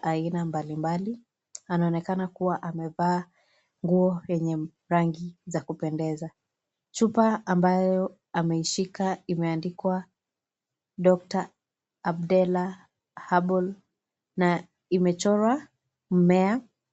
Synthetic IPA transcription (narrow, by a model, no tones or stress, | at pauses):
ʔainambalimbali | anaɔnɛkanakuwaʔamɛvaː | ŋɡuɔjɛɲɛ | ɾaŋɡizakupɛndɛza | t͡ʃupaambajɔ | amɛiʃikaimɛandikwa | ɗɔk̚taː | bdɛla | haɓɔl | na | imɛt͡ʃɔɾwa | m̩mɛa